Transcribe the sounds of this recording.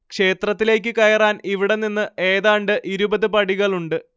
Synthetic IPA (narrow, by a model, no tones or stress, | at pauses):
kʂe̞ːt̪rɐt̪ːile̞ːk̬ʲːɨkɐjɐraːniʋiɽe̞ninːɨʔe̞ːðaːɳɖɨʔiɾubɐðɨpɐɽiɣɐɭuɳɖɨ